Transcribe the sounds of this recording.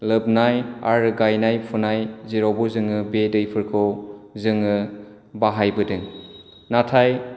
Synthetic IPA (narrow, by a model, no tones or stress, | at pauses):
lɯbnaja̰ɾɯɡajnajpʰunajziɾowbuzɯŋɯbedɯjpʰɯɾkʰɯwzɯŋɯ | baɦajbɯdɯŋ | natʰaj